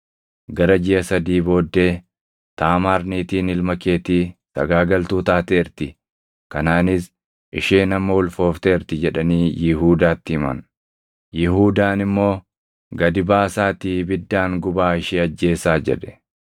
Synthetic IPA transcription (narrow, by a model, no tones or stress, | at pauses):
ɡɐɾɐd͡ʒɪɐsɐd̪iːbo̞ːd̪ːe̞ː | t̪aːmaːɾniːt̪iːnɪlmɐkeːt̪iːt̪ɐɡaːɡɐlt̪uːt̪aːt̪eːɪɾt̪ɪ | kɐnaːnɪs | ʔɪʃeːnɐmːowʊlfo̞ːft̪eːɪɾt̪ɪd͡ʒɛᶑɐniːjɪɦuːd̪aːt̪ːɪɪmɐ̰n | jɪɦuːd̪aːnɪmːo̞ː | ɡɐd̪ɪbaːsaːt̪iːbɪd̪ːaːŋɡʊbaːɪʃiːɐd͡ʒːe̞ːsaːd͡ʒɛ̰ᶑɛ̥